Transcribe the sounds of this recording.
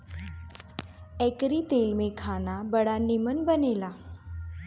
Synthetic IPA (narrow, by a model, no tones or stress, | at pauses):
ɛ̃kɾit̪elmekʰanabəɽanimənbənela